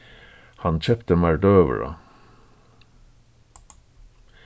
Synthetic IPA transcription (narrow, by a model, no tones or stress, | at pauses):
hɑnt͡ʃɛpt̪əmæɖøːʋə̰ɹɑ̰